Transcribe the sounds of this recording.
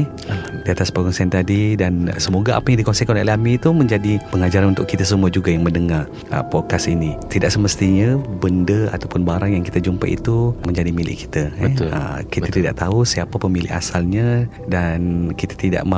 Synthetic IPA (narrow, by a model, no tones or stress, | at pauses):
diat̪aspəɡɔŋsaant̪adidansəmoɡaʔa̰pajaŋdikonsekanʔlamit̪uməɲd͡ʒadipəŋad͡ʒaɾanunt̪ʊʔkit̪asəmuad͡ʒuɡajaŋmə̃ndəŋar | ə̰pɔkasinit̪idaʔsəməst̪iɲabəndəa̰t̪awpʊnbaɾaŋjaŋkit̪ad͡ʒumpa̰ʔḭt̪uməɲd͡ʒadimilɪ̰ʔki̥t̪aɛə̰kit̪at̪ida̰ʔt̪ausiapapəmilɪ̰ʔa̰salɲa | dankit̪ḁt̪ida̰ʔmã